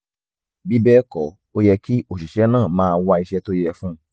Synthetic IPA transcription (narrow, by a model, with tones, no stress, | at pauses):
bi˦bɛ˦kɔ˨ | o˦jɛ˧ki˦o˦˨ʃi˨ʃɛ˨˦nãː˦˨mãː˦˧wa˧i˧ʃɛ˧to˦jɛ˧fũ˦